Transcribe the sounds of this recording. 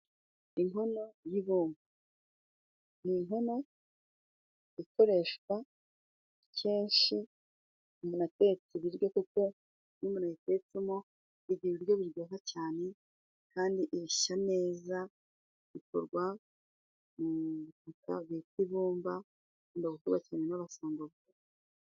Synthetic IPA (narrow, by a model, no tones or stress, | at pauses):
iŋo̞no̞jiβuːmba | niŋɦo̞no̞ | iko̞ɾe̞ʃka | cʰeːnʃi | umunatet͡siβiɾɡokuko̞ | numunajitet͡simo | βiɟiɾiiɾɟo̞βiɾɡoːkacaːne̞ | kaːndiʔiβiʃane̞ːza | βiko̰ɾɡwa | muβituka̰βitiβuːmba | ndoɡukuɡwacaːnenaβasoːŋɡoβɡe